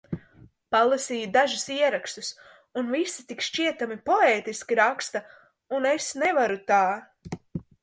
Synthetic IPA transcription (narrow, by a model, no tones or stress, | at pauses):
palˠasiːjud̪aʒusiɛɾakst̪us | unvisit̪ikʃt͡ʃiɛt̪amipɔeːt̪iskʲiɾakst̪a | unesnɛvaɾut̪aː